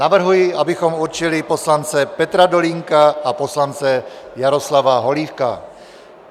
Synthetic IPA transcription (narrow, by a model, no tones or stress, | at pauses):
navr̩ɦujɪabɪxo̞muɾt͡ʃɪlɪpo̞slant͡sɛpɛt̪ɾadoliŋkaʔapo̞slant͡sɛjaɾo̞slavaɦo̞liːfka̰